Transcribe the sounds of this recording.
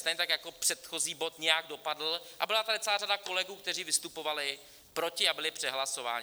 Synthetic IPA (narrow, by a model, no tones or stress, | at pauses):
t̪ejɲɛt̪akjako̞pr̝̥ɛt̪xo̞ziːbo̞t̪ɲɛjaɡdo̞padl̩ʔa̰bɪlat̪adɪtt͡sɛlaːɾadako̞lɛɡuːk̚t̪ɛriːvɪst̪upo̞valɪ | pɾo̞cɪabɪlɪpr̥ɛɦlaso̞va̰ːɲɪ